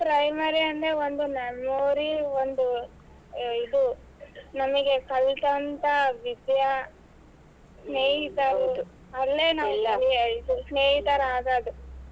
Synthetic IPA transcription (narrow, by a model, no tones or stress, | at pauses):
pɾɐjmaɾiɐnd̪eond̪unɐmoːɾiond̪u | id̪u | nɐmɐɡe̞kɐlt̪ɐnt̪ɐʋid̪jɐ | sneːɦit̪ːaːɾu | ɐlːeːnalːaliusneːɦit̪aːɾaːɡaːd̪u